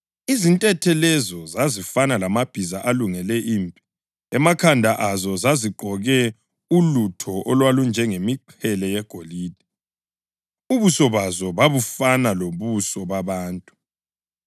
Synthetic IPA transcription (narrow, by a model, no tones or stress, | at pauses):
izintʼɛtʰɛlɛzɔzazifanalamab̥ʱizaʔaluŋɛlɛʔimpʼi | ɛmakʰandʱaʔazɔzaziɡ͡ǃʱɔɣɛ | ulutʰɔʔɔlwalund͡ʒʱɛŋemiǃʰɛlɛjɛɡ̥ʱoliːd̥ʱɛ | uβusɔβazɔβaβufanaloβusɔβaβaːntʼu